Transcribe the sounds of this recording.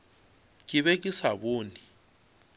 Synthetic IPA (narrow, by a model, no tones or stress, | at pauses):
kʼiβɛkʼisaβoːni